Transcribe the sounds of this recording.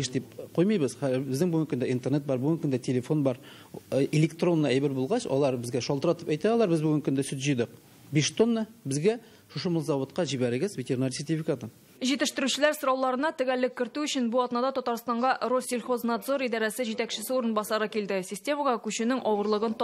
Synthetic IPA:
eʃd̪ip̚qojmɤjbɤzχæbɘzd̪ɘŋbɵɡɘŋkɵnd̪æint̪net̪̚bɑɾbɵɡɘŋkɵnd̪ætʲʰelʲefo̞nbɑɾ | elʲekt̪ro̞nːɑæjbɘɾbulˠʁɑɕɒ̰lˠɑɾbɘ̆zɡæʃɒlt̪əɾɑt̪əpæjt̪æɒlˠɑɾbɘzbɵɡɘŋkɵnd̪æsʉt̪ʑɵ̆jd̪ɤq̚ | bʲeʃt̪onːəbɘ̆zɡæ | ʃuʃɤmolˠzɑvot̪̚qɑʑibæɾɘ̆ɡɘzvʲɪtʲeɾʲnaɾsʲerʲt̪ʲifʲikat̪ə | ʒit̪ɘ̆ʃt̪ɘ̆ɾʉɕɪ̆læɾsŏɾɑwlˠɑɾɤ̆nɑt̪ɪ̆ɡælːɘkʲːɪ̆ɾt̪ʉɵɕɪnbuɑt̪nɑd̪ɑt̪ɒt̪ɑɾst̪ɑɴʁɑrosʲːilʲχo̞znad̪zo̞ɾid̪ɑɾæsɘʑit̪ækʃɪ̆sɘuɾɤənbɑsɑɾɤkild̪ɪsʲɪsʲtʲe̞mɑʁɑkʉɕɘ̆nɪŋʔɒwɤ̆ɾlˠɤʁɤnt̪

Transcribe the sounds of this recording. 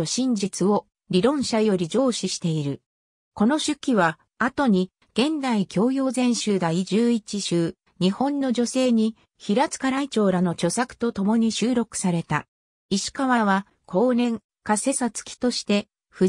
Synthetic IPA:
oɕĩɲ̟d͡ʑit͡sɨo̞ | ɾʲiɾõ̞ɰ̃ɕajo̞ɾʲid͡ʑo̞ːɕiɕi̥t̪e̞iɾɯ̟ | ko̞no̞ɕɨkʲːiβa | at̪o̞ɲ̟i | ɡ̥ẽ̞nd̪aikʲo̞ːjo̞ːzẽ̞ɰ̃ɕɨːd̪aid͡ʑɨːit͡ɕiɕɨː | ɲ̟ihõ̞nːo̞d͡ʑo̞se̞ːɲ̟i | çiɾat͡sɨ̥kaɾait͡ɕo̞ːɾano̞t͡ɕo̞sakɯ̟̥t̪o̞t̪o̞mo̞ɲ̟iɕɨːɾo̞kɯ̟̥saɾe̞t̪a̰ | iɕi̥kaβaβa | kʰo̞ːnẽ̞ŋ | kase̞sat͡sɨ̥kʲi̥t̪o̞ɕi̥t̪e̞ | ɸɯ̟

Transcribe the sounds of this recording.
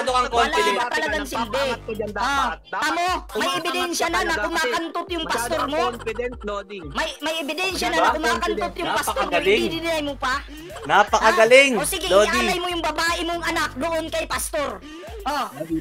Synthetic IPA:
laɡɐpɐt̪ɐlɐɡaŋsɪnd̪ɛʔot̪amomɐjʔɛbɪd̪ɛnʃjɐnɐnɐkʊmaːkɐnt̪ot̪jʊŋpɐstt̪oɾmo̞ | mɐjmɐjʔɛbɪd̪ɛnʃjɐnɐnɐkʊmaːkɐnt̪ot̪jʊŋpɐst̪oɾlɪid̪ɪnɪnɐjmopɐ | napɐkɐɡɐlɪŋoːsɪɡɛajmojʊŋbɐbaːʔɪmoŋɐnak̚d̪oʔonkɐjpɐst̪o̞ɾ | ʔo

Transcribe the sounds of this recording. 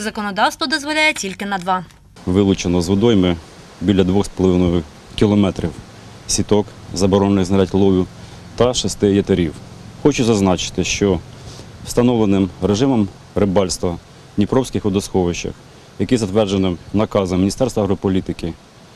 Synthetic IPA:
zɐkɔnɔd̪ɑwst̪ʋɔd̪ɔzʋɔlʲajetʲilʲkɪnɐd̪ʋɑ | ʋɪlˠʊt͡ʃenɔzʋɪd̪ɔjmɪ | bʲilʲːɐd̪ʋɔxspɔlˠɔʋɪnɔjʊ | kʲilˠɔmɛt̪ɾʲiw | sʲit̪ɔkzɐbɔɾɔnnɪɣzɐɾʲatʲlˠɔʋʲʊ | t̪ɐʃɔst̪ɪjɐt̪ɐɾʲiwxɔt͡ʃʊzɐznɑt͡ʃɪ̥t̪ɪʃt͡ʃɔ | w̥st̪ɐnɔʋlˠenɪmɾeʒɪmɔm | ɾebɑlʲst̪ʋɐ | nʲipɾɔwsʲkɪxʊd̪ɐsxɔʋɪʃt͡ʃɐ̰x | jɐkɪzɐt̪ʋɛrd͡ʒenɪmnɐkɑzɐmʲːinʲist̪ɛrst̪ʋɐɦɾɔpɔlʲit̪ɪkɪ

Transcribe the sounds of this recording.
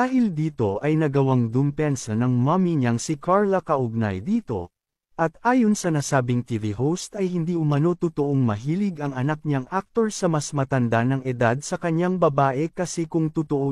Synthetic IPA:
d̪aːɦɪld̪iːt̪o̞ʔɐjnɐɡɐwaŋd̪ʊmpɛnsɐnɐŋmɐmiɲɐŋsɪkʰaɹlɐkɐʔʊɡ̚na̰jd̪iːt̪o̞̰ | ʔɐt̪ʔaːjo̞nsɐnasaːbɪŋt̪ivihowst̪ɐjhɪnd̪iʔʊmɐno̞t̪ʊt̪oʔoŋmɐɦiːlɪɡɐŋɐnak̚ɲɐŋʔak̚t̪o̞ɹsɐmɐsmɐt̪ɐnd̪anɐŋɛd̪ad̪̚sɐkɐɲːaŋbɐbaːʔɛkɐsɛkʊŋt̪ʊt̪oʔo

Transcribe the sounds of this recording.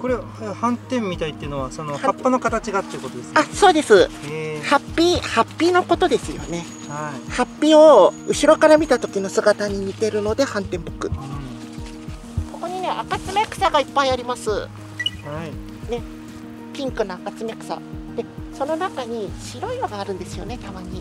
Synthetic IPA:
ko̞ɾeahãnt̪ẽ̞mːʲit̪ait̪ːeiɯ̟no̞βaso̞no̞haapːanokat̪at͡ɕiɡat̪ːeiɯko̞t̪od̪esasoːd̪e̞sɨhapʲːiːhapʲːiːno̞ko̞t̪o̞d̪esɨjo̞̰ne̞ | haihapʲːio̞ɯ̟ɕiɾo̞kaɾamʲit̪at̪o̞kʲino̞sɨɡat̪aɲ̟iɲ̟it̪e̞ɾɯ̟no̞d̪e̞hãnt̪ẽ̞mbo̞kɯ̟ | ko̞ko̞ɲ̟ine̞ʔakat͡sɨmʲe̞kɯ̟̥saɡaipːaiaɾʲimasɨ̰ | hai | ne̞ | pʲĩŋkɯ̟noakat͡sɨmekɯ̟̥sa̰d̪̥e̞so̞no̞nakaɲ̟iɕiɾo̞iβaɡaːɾɯ̟̃nd̪e̞sɨjo̞̰ne̞t̪amaɲ̟i

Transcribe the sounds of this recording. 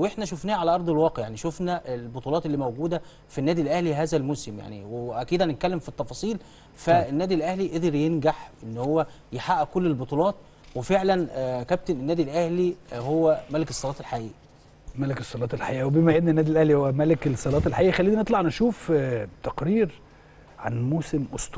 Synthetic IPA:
wʔeħnæʃofnæːæʕalæʔɑɾˤd̪ˤelwɑːqeʕjaʕniʃofnæʔelbot̪ˤuːlɑːt̪elːiːmæwɡuːd̪æ | finːæːd̪ilʔæhliɦæːzælmosemja̰ʕnḭweʔækiːd̪ænet̪̚kælːemfit̪ːɑfɑːsˤiːl | fæenːæːd̪ilʔæhliʔed̪eɾjenɡaħʔenːhowːæ | jeħaʔækolːelbot̪ˤuːlɑːt̪̚ˤ | wefeʕlænkæb̚t̪enenːæːd̪ilʔæhlihowːæmælekesˤːɑlɑːt̪elħaʔḭːʔæ | mælekesˤːɑlɑːt̪elħaʔiːʔæwebimæʔednːenːæːd̪ilʔæhlihowːæmælekesˤːɑlɑːt̪elħaʔiːʔæxælːiːninet̪ˤlɑʕnæʃuːft̪æqɾiːɾ | ʕa̰nmoːsemʔost̪

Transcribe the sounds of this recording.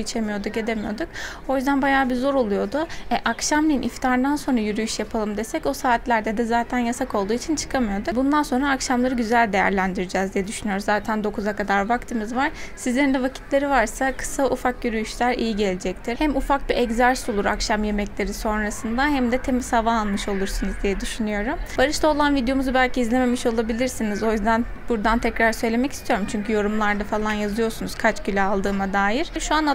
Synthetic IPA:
it͡ʃʰemijo̞d̪uɟed̪e̞mijo̞̰d̪uk | o̞jyzd̪ænbajaːbizo̞ɾo̞lˠujo̞d̪ʊɛʔakʃamnʲinʔift̪ʰaːɾɯnd̪anso̞nɾajyɾyjyʃjapʰalˠɯmd̪esɛcosaːt̪lʲæɾd̪ɛd̪ɛzaːt̪ʰænjasakʰo̞lˠd̪uːit͡ʃʰint͡ʃʰɯ̥kʰamɯjod̪ubund̪anso̞nɾaːkʃamlˠaɾɯɟyzælʲd̪e̞jæ̰ɾlʲænd̪iɾid͡ʒɛːzd̪ijɛd̪yʃynyjo̞ɾuzaːt̪ʰænd̪o̞kʰuzakad̪aɾvakt̪ʰɯmizvaɾ̥sizlʲe̞ɾind̪ɛvacʰi̥t̪ʰlʲe̞ɾivaɾsakʰɯ̥saufak̚ɟyɾyjyʃlʲæɾḭjiɟe̞lʲed͡ʒɛct̪ʰiɾhæmufak̚biʔɛɟzæɾsolˠuɾa̰kʃamje̞mɛclʲe̞ɾiso̞nɾasɯnd̪aɦæmd̪ɛt̪ʰemizhavaːlnˠmɯʃo̞lˠuɾsunɯzd̪ijɛd̪yʃynyjo̞ɾumbaɾɯʃt̪ʰao̞lˠanvid̪jo̞muzubælʲcʰiːzlʲeme̞miʃo̞lˠabilʲiɾsinizo̞jyzd̪ænb̥uɾd̪ant̪ʰɛcɾaɾsø̞jlʲe̞mɛcʰi̥st̪ʰijo̞ɾumt͡ʃʰyɲcʰyjo̞ɾumlˠaɾd̪afalˠanjazɯjo̞ɾsunuz̥kʰat͡ʃɟylʲɛalˠd̪ɯːmad̪aːjiɾ̥ʃuan

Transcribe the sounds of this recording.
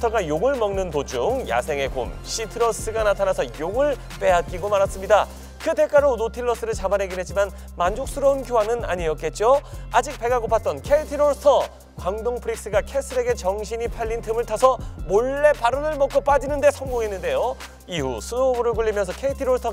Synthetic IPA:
tʰʌɡajoŋɯɭmʌŋnɯntod͡ʑuŋja̰sʰe̞ŋe̞ko̰mɕʰitʰɯɾos͈ɯɡanatʰanasʰʌjoŋɯɭ | p͈e̞ɦat̚k͈iɡomaɾas͈ɯmɲida | kɯte̞k͈aɾonotʰiɭːʌs͈ɯɾɯɭt͡ɕamanɦeɡinɦet̚t͡ɕ͈iman | mand͡ʑok̚s͈ʰuɾʌunkjoɦanɯna̰ɲiʌt̚k͈e̞t̚t͡ɕ͈oad͡ʑik̚p͈e̞ɡaɡopʰat̚t͈ʌnkʰeitʰiɾoɭsʰʌ | kwaŋdoŋpʰɯɾik̚s͈ɯɡakʰes͈ʰɯɾe̞ɡe̞t͡ɕʌŋɕʰiɲipʰaʎːintʰɯmɯɭtʰasʰʌmoɭːe̞paɾɯnɯɭmʌk͈op͈ad͡ʑinɯnde̞sʰʌŋɡoŋenːɯnde̞jo | ihusʰunobuɾɯɭkuɭːimjʌnsʰʌkʰe̞itʰiɾoɭsʰʌ

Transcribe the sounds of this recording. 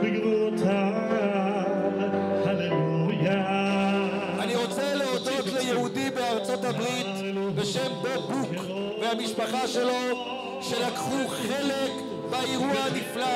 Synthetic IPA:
biɡluta | haneuja | aniʁo̞t͡seleod̪ot̪lejehudibeaʁt͡so̞tabʁit̪ | be̞ʃembobuk | vehamiʃpaχaʃe̞lo | ʃe̞lakχuχe̞lek | baihuanifla

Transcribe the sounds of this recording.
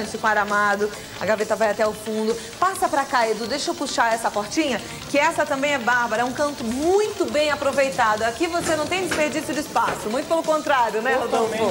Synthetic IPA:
ɪsɪkõaɾamad̪ʊ | ɐɡavet̪ɐvajat̪ɛʊfũnd̪ʊ | pasɐpɾɐkaed̪ʊd̪ejʃewpuʃaɾɛsɐpoɾt͡ʃĩɲɐ | kɪɛsɐt̪ɐ̃mbẽj̃ɛbaɾbɐɾɐɛũkɐ̃nt̪ʊmũj̃t̪ʊbẽj̃apɾovejt̪ad̪ʊakivosenɐ̃w̃t̪ẽj̃d͡ʒɪspeɾd͡ʒisjʊd͡ʒɪɪspasʊmũj̃t̪ʊpelʊkõnt̪ɾaɾjʊnɛot̪oʊfo

